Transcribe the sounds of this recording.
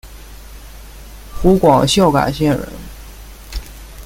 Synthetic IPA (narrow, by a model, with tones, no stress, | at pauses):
xu˧˥kwɑ˨˩ʊɕjɑ˥˩ʊka̰˨˩ɕjɛ˥˩nɻə̰˧˥n